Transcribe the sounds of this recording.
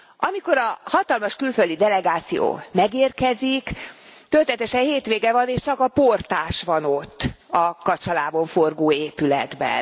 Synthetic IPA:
ɒmiko̞ɾɒhɒt̪ɒlmɒʃkylføld̪id̪ɛlɛɡaːt̪sijo̰ːmɛɡeːrkɛzikt̪ølt̪ɛt̪ɛʃɛnheːt̪ʋeːɡɛvɒneːʃt͡ʃɒkɒport̪aːʃʋɒno̞t̪ː | ɒkɒt͡ʃɒlaːbo̞ɱforɡoːeːpylɛ̰d̪bɛ̰n

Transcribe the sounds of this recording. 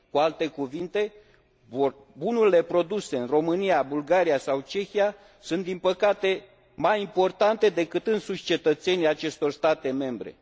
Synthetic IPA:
kualt̪e̞kuvint̪e̞ | bunuɾile̞pɾo̞d̪use̞ɨnro̞mɨnijabulɡaɾijasawt͡ʃe̞xija | sunt̪d̪inpəkat̪e̞ | majimpo̞rt̪ant̪e̞d̪e̞kɨt̪ɨnsuʃʲt͡ʃe̞t̪ət̪se̞nijat͡ʃe̞st̪o̞rst̪at̪e̞me̞mbɾe̞̰

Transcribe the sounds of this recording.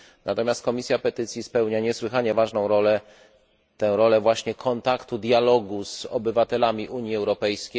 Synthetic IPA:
nʔat̪ɔmʲjast̪̚kɔmʲisʲjapɛt̪ɘt̪sʲjispɛwɲaɲɛswɘxaɲɛvaʐnɔ̃w̃ɾɔlɛ | t̪ɛ̃w̃ɾɔlɛvwaɕɲɛkʰɔnt̪akt̪ud̪jalɔɡuz̥ɔ̰bɘvat̪ɛlamʲiʔuɲjiɛwɾɔpɛjskʲe

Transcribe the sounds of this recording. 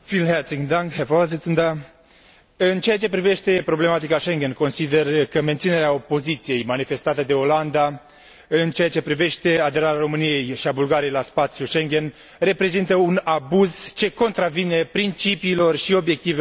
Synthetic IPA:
filɦert̪sid̪aŋkɦefazit̪sɨnd̪a | ɨnt͡ʃeat͡ʃe̞pɾive̞ʃt̪e̞pɾo̞ble̞mat̪ikaʃe̞ŋɡʲe̞nko̞nsid̪e̞rkəme̞nt̪sine̞ɾeao̞po̞zit̪sije̞jmanife̞st̪at̪əd̪e̞o̞land̪a | ɨnt͡ʃeat͡ʃe̞pɾive̞ʃt̪e̞ad̪e̞ɾaɾaɾo̞mɨnije̞jʃiabulɡaɾijejlaspat̪sjuʃe̞ŋɡʲe̞n | re̞pɾe̞zint̪əunabuzt͡ʃe̞ko̞nt̪ɾavine̞pɾint͡ʃipiːlo̞rʃio̞bje̞k̚t̪ive

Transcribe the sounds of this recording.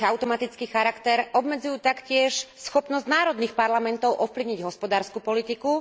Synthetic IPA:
aʊt̪ɔmat̪it͡skiːxaɾakt̪ɛɾʔɔbmɛd͡zujuːt̪akcɪɛʃsxɔpnɔzɟnaːɾɔd̪niːxpaɾlamɛnt̪ɔʊʔɔfpliʊɲiɟɦɔspɔd̪aːɾskupɔlit̪iku

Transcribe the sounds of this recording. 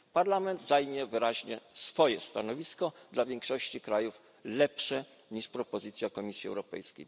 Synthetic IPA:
paɾlamɛnd̪zajmʲjɛvɘɾaʑɲɛsfɔjɛst̪anɔvʲiskɔd̪lavʲjɛŋkʂɔɕt͡ɕikɾajuf | lɛpʂɛ | ɲiʂpɾɔpɔzɘt̪sʲjakɔmʲisʲjiɛ̰wɾɔpɛ̰jskʲḛj

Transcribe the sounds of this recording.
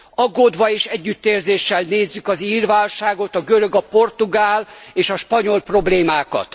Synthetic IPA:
ɒɡoːd̪ʋɒeːʃɛɟːyt̪ːeːrzeːʃːɛlneːzːykɒziːrʋaːlʃaːɡo̞t̪ɒɡøɾø̞ɡɒpo̞rt̪uɡaːleːʃɒʃpɒɲo̞lpro̞bleːmaːkɒ̰t̪

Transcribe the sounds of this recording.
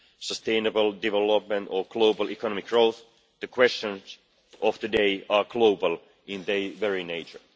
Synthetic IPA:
səst̪ẽɪnəbəlˠdɪvɛlɔp̚mə̃ntɔɡ̥loʊbəlˠikʰɔnɔmɪkɹoʊθ | ðəkʰwɛst͡ʃə̃ns | ʔɔft̪ɨdeɪɑːɡloʊbəlˠ | ɪ̃nðeɪʋɛɹineɪt͡ʃə˞

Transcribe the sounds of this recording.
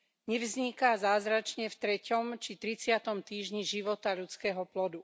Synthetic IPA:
ɲɛvzɲikazaːzɾat͡ʃɲɛft̪ɾɛcɔmt͡ʃit̪ɾit͡sɪat̪ɔmt̪iːʒɲiʒiʋɔt̪aʎut͡skɛːɦɔplɔd̪u

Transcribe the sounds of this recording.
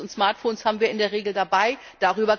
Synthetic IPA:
ʊntsmaɐtfoːnshaːbm̩viːɐʔɪndeːɐʁ̞eːɡl̩dabaɪ | d̥aʁyːbɐ

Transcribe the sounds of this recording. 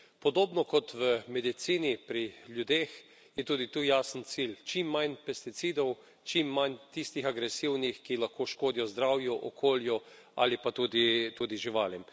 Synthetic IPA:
pɔd̪oːbnɔkɔt̪ʋəmɛd̪it̪siːnipɾiljud̪eːx | jɛt̪uːd̪it̪uːjaːsənt̪silt͡ʃimːajnpɛst̪it̪siːd̪ɔw | t͡ʃimːant̪ist̪ixaɡɾɛsiwnixkilaxkoːʃkoːd̪ijɔzd̪ɾaːwjɔʔɔkʰoːljɔ | a̰lipat̪uːd̪it̪uːd̪iʒiʋaːljɛm

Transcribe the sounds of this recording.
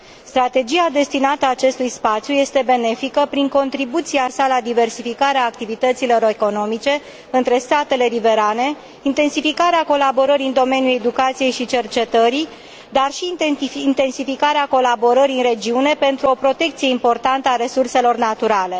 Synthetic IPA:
st̪ɾat̪e̞d͡ʒiad̪e̞st̪inat̪əaːt͡ʃe̞st̪ujspat̪sjuje̞st̪e̞be̞ne̞fikəpɾiŋko̞nt̪ɾibut̪siasalad̪ive̞rsifikaɾeaːk̚t̪ivit̪ət̪silo̞ɾoeko̞no̞mit͡ʃe̞ | ɨnt̪ɾe̞st̪at̪e̞le̞live̞ɾane̞ | int̪e̞nsifikaɾeako̞labo̞ɾəɾiɨnd̪o̞me̞njule̞d̪ukat̪sije̞jʃit͡ʃe̞rt͡ʃe̞t̪əɾi | d̪arʃiint̪e̞nsifikaɾeako̞labo̞ɾəɾiɨnre̞d͡ʒiune̞pe̞nt̪ɾuo̞pɾo̞t̪e̞k̚t̪sije̞impo̞rt̪ant̪əaɾe̞surse̞lo̞rnat̪uɾale̞

